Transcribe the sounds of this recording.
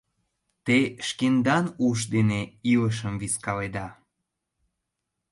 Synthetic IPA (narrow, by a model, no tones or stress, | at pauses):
t̪eʃkend̪ɑnuʃd̪eneiləʃ̬əmviskɑled̪ɑ